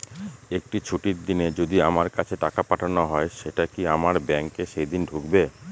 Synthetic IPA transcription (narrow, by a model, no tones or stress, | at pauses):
ek̚ʈit͡ɕʰuʈiɾd̪ined͡ʑod̪iamaɾkat͡ɕʰeʈakapaʈʰanoɦɔeʃeʈakiamaɾbɛŋkeʃejd̪inɖʱukbe